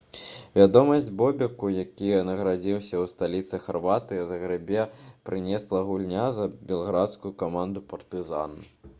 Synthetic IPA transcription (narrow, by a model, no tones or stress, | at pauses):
vʲad̪ɔmɐzʲd͡zʲbɔbʲɐkujakʲinɐɣɾad͡zʲiwsʲɐwst̪alʲit̪sɨxarvat̪ɨjɐzɐɣɾɨbʲɛpɾɨnʲɛslˠɐɣulʲnʲazɐbʲɛlˠɣɾat̪skujukamand̪upɐrt̪ɨza̰nɐ